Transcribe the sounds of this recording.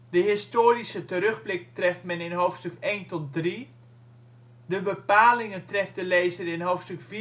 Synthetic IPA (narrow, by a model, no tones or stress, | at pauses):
dəɦɪstoːɾisətəɾøɣblɪk̚trɛftmɛnɪnɦoːfstøkeːntɔt̚dri | dəbəpaːlɪŋəntrɛftdəleːzərɪnɦowfstøkfi